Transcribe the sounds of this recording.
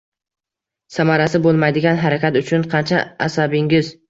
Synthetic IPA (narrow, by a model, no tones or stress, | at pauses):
samaɾasɪbolˠmajd̪ɪɡʲanɦaɾakʲat̪ʊt͡ʃʰʊnqʰɑnt͡ʃʰaasabɪŋʲɪz